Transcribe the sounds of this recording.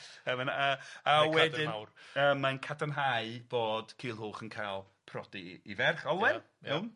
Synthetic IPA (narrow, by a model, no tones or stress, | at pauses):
əmənaaawɛdɪawrəːmːankʰadanɦaɨb̥oːd̥kʰiːlˠɦʊːχənkʰajlˠ | pʰrɔdiivɛrχɔlˠwɪ | ɛwn